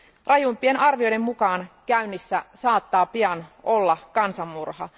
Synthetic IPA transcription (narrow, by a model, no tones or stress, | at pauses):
rɑjumpienɑrʋio̞jde̞mːukɑːnkæynːisːæsɑːt̪ːɑːpiɑnʔo̞lːɑkɑnsɑmːurhɑ